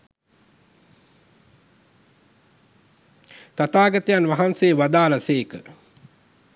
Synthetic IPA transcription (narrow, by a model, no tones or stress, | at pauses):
t̪at̪aːɡat̪əjanʋaɦanseːʋad̪aːlaseːkə